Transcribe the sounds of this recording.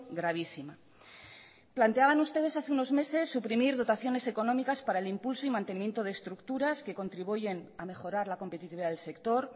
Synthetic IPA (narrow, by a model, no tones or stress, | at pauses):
ɡɾaβ̞isima | plant̪eaβanust̪e̞ð̞esaθeuno̞zme̞se̞sːupɾimiɾð̞o̞t̪aθjo̞ne̞se̞ko̞no̞mikaspaɾaelimpulsoimãnt̪enimje̞nt̪o̞ð̞e̞ːst̪ɾukt̪uɾaske̞ko̞nt̪ɾiβ̞uʝe̞name̞xo̞ɾaɾlako̞mpe̞t̪it̪iβiðaðelse̞kt̪o̞ɾ